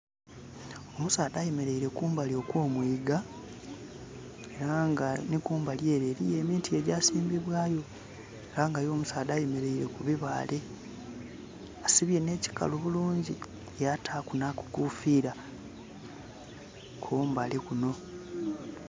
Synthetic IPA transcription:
o̞musaːdaːjeme̞ɾe̞iɾe̞kuːmbalio̞kwoːmwiːɡa | e̞ɾaŋɡanikuːmbalje̞ːɾeɾije̞ːmiːntie̞ɟaːsiːmbiβwaːjo̞ | eɾaŋɡajo̞ːmusaːdaːjeme̞ɾe̞iɾe̞kuβiβaːle̞ | asiβje̞ne̞ci̥ka̰loβuluːɲɟi | jatʰaːkunaku̥kufiːɾa | kʰoːmbalekuno̞

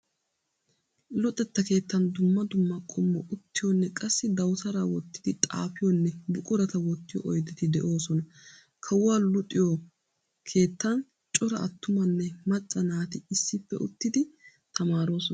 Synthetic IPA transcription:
lɔt̪ʼːɛt̪ːɐke̞ːt̪ːɐnd̪ʊmːɐd̪ʊmːɐkʼɔmːɔʔʊt̪ːɪjɔnːɛkʼɐsːɪd̪ɐwt̪ɐɾawɔt̪ːɪd̪ɪt̪ʼa̰ːfɪjɔnːɛbʊkʼʊɾɐt̪ɐwɔt̪ːɪjɔ̰ʔɔjd̪ɪt̪ɪd̪ɛʔo̞ːsɔnɐ | kʰɐwʊwaːlʊt̪ʼːɪjɔ | kʰe̞ːt̪ːɐn | t͡ʃʼɔɾɐʔɐt̪ːʊmɐnːɛmɐt͡ʃʼːɐnaːt̪ɪɪsːɪpːɛ̰ʔʊ̰t̪ːɪd̪ɪ | t̪ʰɐmaːɾo̞ːsɔnɐ

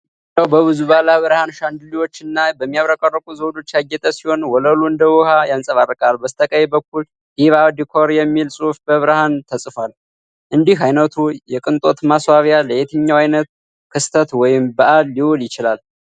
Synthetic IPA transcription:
dawbəβɨzuβalaβɨɾhanʃand̪ɨliwo̞t͡ʃːɨnːabəmːijaβɾəkʼarːəkʼuzəwd̪o̞t͡ʃːjaɡːɛt̪ʼəsiho̞nwɔləluɨnd̪əwɔhajansʼəβarːɨkʼalbəst̪ʰəkʼəjɛbəkːul | hiβad̪ikʰoɾjɛmːilsʼufbəβɨɾhant̪ʰəsʼɨfal | ʔɨnd̪iɦajnət̪ʰujɛkʼɨnt̪ʼo̞t̪maswaβjaləʔet̪ʰɨɲːawajnət̪ | kʰɨst̪ʰət̪wɔjɪmbəʔalːiwoljɪt͡ʃɪlal

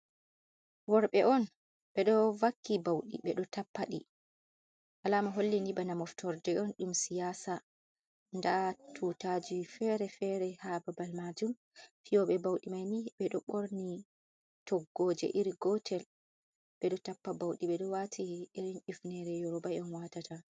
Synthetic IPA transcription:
wɔɾɓɛʔɔn | ɓɛɗɔvakːibawɗḭɓɛɗɔtapːaɗḭ | ʔalamaɦolːindibanamɔftɔɾdɛɔnɗumsijaːsa | ndatʰutad͡ʒifɛɾɛfɛɾɛhababalmad͡ʒum | fijɔɓɛbawɗimajniɓɛɗɔɓoɾni | tʰɔɡːoːd͡ʒɛ̰ʔiɾiɡɔtʰɛl | ɓɛɗɔtapːabawɗiɓɛɗɔwatʰiːɾinʔifnɛɾɛjɔɾɔbajɔnwatata

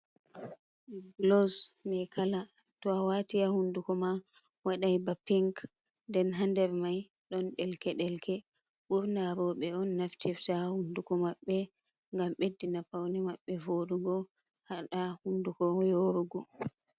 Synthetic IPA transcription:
ɡlɔsmɛkalatɔawatiahundukɔma | waɗajbapːiŋk | dɛnɦandɛɾmaj | ɗɔnɗɛlkɛɗɛlkɛ | ɓuɾnaɾɔɓɛɔnːaftʰiftahundukɔmaɓːɛ | ŋɡamɓedːinapawnɛmaɓːɛvoɗuɡɔ | haɗahundukɔjoɾuɡɔ

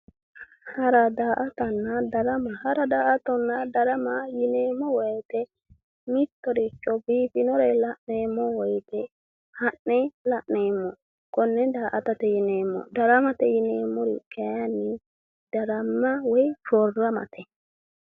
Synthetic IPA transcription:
haɾadaːʔat̪anːadaɾamahaɾadaːʔat̪ɔnːadaɾamajinɛmːɔwɛjt̪ɛ | mit̪ːɔɾit͡ʃːɔbipinɔɾɛlaʔnɛmːɔwɔjt̪ɛ | haʔnɛlaʔnɛmːɔ | kɔnːɛdaːʔat̪at̪ɛjinɛmːɔ̰daɾamat̪ɛjinɛmɔɾḭkɛjani | d̥aɾamːawɛjfɔrːama̰t̪ʰɛ

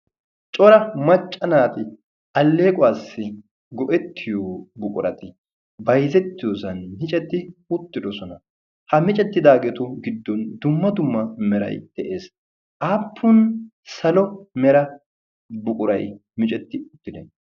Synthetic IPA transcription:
t͡ʃʼɔɾɐmɐt͡ʃʼːɐnaːt̪ɪ | ɐlːe̞ːkʼʊwaːsːɪ | ɡɔʔɛt̪ːɪjoːbʊkʼʊɾɐt̪ɪ | bɐjzɛt̪ːɪjoːsɐnmɪt͡ʃʼɛt̪ːɪʊt̪ːɪd̪ɔsɔnɐ | hɐmɪt͡ʃʼɛt̪ːɪd̪aːɡɛt̪ʊɡɪd̪ːɔnd̪ʊmːɐd̪ʊmːɐmɛɾɐ̰jd̪̥ɛʔe̞ːs | ʔaːpʰːʊn | sɐlɔmɛɾɐ | bʊkʼʊɾɐjmɪt͡ʃʼɛt̪ːɪʊt̪ːɪd̪ɛn

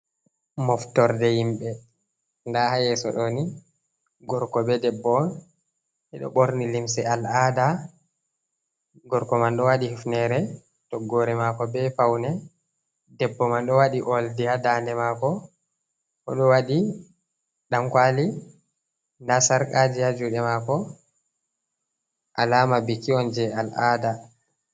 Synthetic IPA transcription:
mɔftɔɾdɛhimɓɛ | ndahajɛsɔ̰ɗɔni | ɡɔɾkɔbɛdɛbːɔn | ɛɗɔ̰ɓoɾnilimsɛalaːda | ɡɔɾkɔmanɗɔwaɗihufnɛɾɛ | tɔɡɔɾɛmakɔbɛfawnɛ | dɛbːɔmanɗɔwaɗiʔɔldiadandɛmaːkɔ | kɔ̰ɗɔwaɗi | ɗamkwali | ndasaɾkʼad͡ʒijad͡ʒuɗɛmakɔ | ʔa̰laːmabikːiɔnd͡ʒɛalada

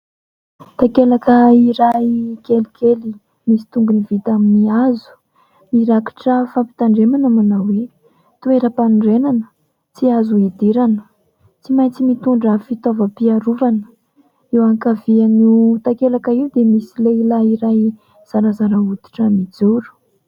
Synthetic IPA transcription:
t̪akelakəiɾajkelikʰeli | misi̥t̪uŋɡunivit̪aminiazu̥ | miɾaki̥ʈ͡ʂəfampi̥t̪aɳɖ͡ʐemanamanawwe | t̪ueɾəpanɖ͡ʐenanə̥ | t͡siazuid̪iɾanə | t͡simajt͡simit̪uɳɖ͡ʐəfit̪ovəpiaɾuvanə̥ | iwaŋkavianit̪akelakəiwd̪emisileilaiɾaj | z̥aɾazaɾaud̪i̥ʈ͡ʂəmid͡zuɾu̥

